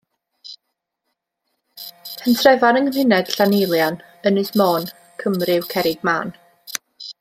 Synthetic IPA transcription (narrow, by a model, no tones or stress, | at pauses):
pʰɛntʰrɛvanəŋəmhɪnɛd̥ɬanɪlˠjan | ənɨsmoːn | kʰəmrɪwkʰɛɾɪɡ̚ma̰ːn